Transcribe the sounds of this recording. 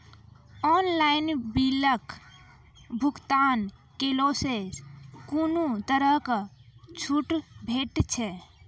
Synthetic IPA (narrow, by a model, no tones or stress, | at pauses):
ɔːnlaɪnbilək | bʱʊkt̪aːn | keloːseskunut̪əɾəɦkat͡ʃʰuʈbʱeːʈt͡ʃʰɛ